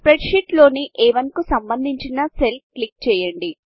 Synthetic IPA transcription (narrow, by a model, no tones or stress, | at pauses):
pɾeɖʂiʈlo̞ːniʔɛːʋɐnkusɐmbɐnd̪ʱiɲt͡ʃinɐself̚klik̚t͡ʃɛːjɐɳɖi